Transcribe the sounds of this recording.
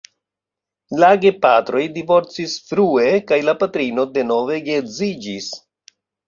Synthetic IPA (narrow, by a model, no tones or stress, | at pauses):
laɡe̞patɾo̞jdivo̞ɾt͡sisfɾue̞kajlapatɾino̞de̞no̞ve̞ɡezid͡ʒis